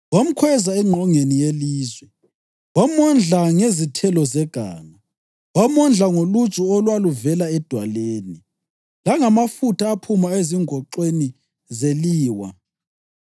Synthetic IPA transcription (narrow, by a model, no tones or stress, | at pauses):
wam̩kʰwɛzaɛŋ͡ǃʱɔŋenijeliːzwɛ | wamɔnd͡ɮʱaŋezitʰɛlɔzɛɡ̥ʱa̰ːma | wamɔnd͡ɮʱaŋolu̥t͡ʃʼuɔlwaluvɛlaɛd̥ʱwaleːni | laŋamafutaːpʰumaeziŋʱɔǃeni | zeliːwa̰